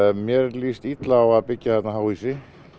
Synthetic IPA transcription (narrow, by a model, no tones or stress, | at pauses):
mjɛɾliːst̪it̪laːwaðpɪcːaθɛt̪naɦaːwisɪ